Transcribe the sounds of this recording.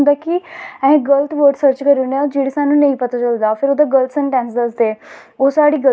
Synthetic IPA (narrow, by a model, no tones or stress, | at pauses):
nd̪aːkɪɛ̃ɦẽːɡəlt̪ʰʋəɾʈsəɾt͡ʃkəɾunãd͡ʒeːɽeːsaːnũːnəĩːpət̪aːt͡ʃəld̪aːpʰɪɾod̪aːɡəlt̪sə̃ɳʈɛ̃ːnsd̪əsd̪eː | oːsaːɽiːɡə